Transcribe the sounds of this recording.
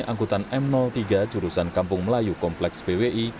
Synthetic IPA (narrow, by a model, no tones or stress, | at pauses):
ʔaŋkut̪anɛmnɔlt̪iɡad̥d͡ʒ̥uɾusankampʊŋməlajukɔmplɛksb̥eweʔi